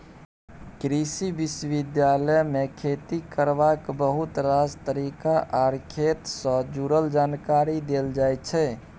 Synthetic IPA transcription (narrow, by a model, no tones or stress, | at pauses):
kɾisiʋɪsʋid̪jaləjmekʰet̪ikəɾʋakbəɦut̪ɾad͡ʒt̪əɾiːkaʔaɾkʰet̪sə̃d͡ʒuɾəld͡ʒaːnkaɾid̪eld͡ʒajt͡ʃʰɛ